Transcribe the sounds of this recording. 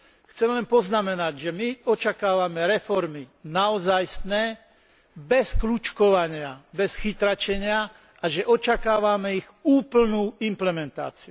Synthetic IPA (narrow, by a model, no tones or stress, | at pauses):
xt͡sɛmlɛnpɔznamɛnaɟʒɛmiɔt͡ʃakaːʋamɛɾɛfɔɾminaɔzajst̪nɛː | bɛsklut͡ʃkɔʋaɲɪabɛsxit̪ɾat͡ʃɛɲɪa | ʔaʒɛʔɔt͡ʃakaːʋamɛiɣuːpl̩nuːimplɛmɛnt̪a̰ːt͡siu